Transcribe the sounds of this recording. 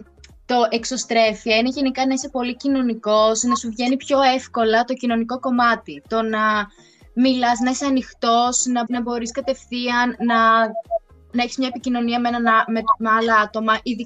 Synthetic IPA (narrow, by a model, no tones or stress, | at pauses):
t̪o̞ʔekso̞st̪ɾe̞fieineʝe̞nikɐnɐisepo̞licino̞niko̞snɐsuvʝe̞nipço̞e̞fko̞lɐt̪o̞cino̞niko̞ko̞mɐt̪it̪o̞nɐ | milɐznɐiseɐnixt̪o̞snɐnɐbo̞ɾiskɐt̪e̞fθiɐnnɐ | nɐe̞çi̥smɲɐepicino̞niɐmenɐnmemeɐlɐɐt̪o̞mɐʔiði